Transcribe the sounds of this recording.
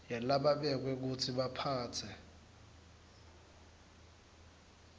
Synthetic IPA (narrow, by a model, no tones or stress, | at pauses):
jalaɓaɓɛk̬wɛk̬ut͡sʰiɓapʰaːt͡sʰɛ